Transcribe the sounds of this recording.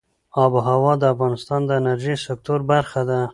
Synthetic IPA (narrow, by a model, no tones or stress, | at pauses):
ɑbɦawɑd̪əafɣɑnɪst̪ɑnd̪əɪnaɾʒisɪk̚t̪oɾbaɾxad̪a